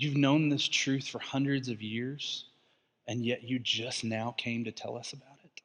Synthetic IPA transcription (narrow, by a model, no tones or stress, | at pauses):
jʉvnõʊ̃nðɪstʰɹ̥ʉθfə˞hʌ̃ndɹɨdzʌvjɪɹz̥ | ɨ̃njɛt͡ʃɨd͡ʒʌsnaʊkʰẽɪ̃mtɨtʰɛ̰lˠʌsəbaʊɾɪt̚